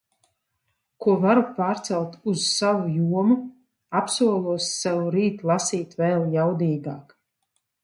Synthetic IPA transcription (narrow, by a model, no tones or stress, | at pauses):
kuɔvaɾupaːɾt̪sɛlˠt̪uz̥savujuɔmu | apsuɔlˠuɔsːavuɾiːt̪lˠasiːt̪vɛːlˠjawd̪iːɡa̰ːk